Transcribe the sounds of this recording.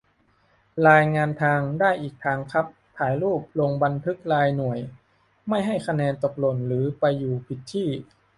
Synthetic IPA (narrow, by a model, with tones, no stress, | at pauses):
ɾaː˧jŋaː˧nt̪ʰaː˧ŋdaː˥˩jʔiː˨˩k̚t̪ʰaː˧ŋkʰa˦˥p̚t̪ʰaː˩˦jluː˥˩p̚lo˧ŋba˧nt̪ʰɯ˦˥k̚laː˧jnu˨˩əj | ma˥˩jɦa˥˩jkʰa˧nɛː˧nt̪o˨˩k̚lo˨˩nɾɯː˩˦pa˧jːuː˨˩pʰi˨˩t̪ʰːiː˥˩